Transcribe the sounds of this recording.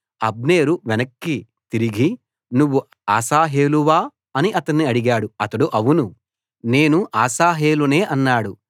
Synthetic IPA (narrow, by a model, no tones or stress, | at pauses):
ɐb̚ne̞ːɾuʋɛnɐkːi | t̪iɾiɡi | nuʋːu | aːsaːɦe̞ːluʋaː | ɐniʔɐt̪ɐnːiɐɽiɡaːɽuɐt̪ɐɽuʔɐʋunu | ne̞ːnuʔaːsaːɦe̞ːlune̞ːʔɐnːaːɽu